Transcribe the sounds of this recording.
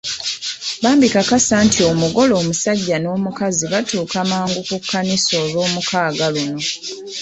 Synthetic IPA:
βaːmbikakasaːntʰio̞muɡo̞lo̞ːmusaɟːano̞ːmukaziβatuːkamaːŋɡukukʰːaniso̞ːlo̞ːmukaːɡaluno̞

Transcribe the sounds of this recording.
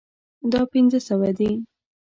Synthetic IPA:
d̪ɑpinzəsəwad̪i

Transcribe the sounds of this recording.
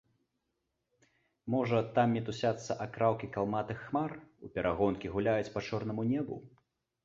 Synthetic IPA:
mɔʐɐt̪amnʲɛt̪usʲat̪sːɐʔakɾawkʲikalˠmat̪ɨxːmarupʲɛɾʔaɣɔnkʲiɣulʲajut͡sʲpat͡ʂɔrnɐmunʲɛbṵ

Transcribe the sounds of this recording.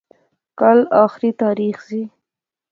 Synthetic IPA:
kalɑxɾit̪ɑːɾixzi

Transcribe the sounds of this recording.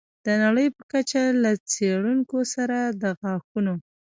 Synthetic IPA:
d̪̥ənaɽəjpəkat͡ʃalat͡seɽuŋkosaɾad̪əɣɑxuno

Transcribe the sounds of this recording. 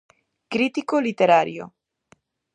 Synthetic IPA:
kɾit̪ikolit̪eɾaɾjo̰

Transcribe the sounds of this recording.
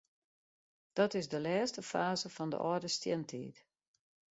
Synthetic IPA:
d̥ɔtɪzdəlɛːstəfaːzəfɔndə̰ʔɔːdəstjɛntʰḭːt

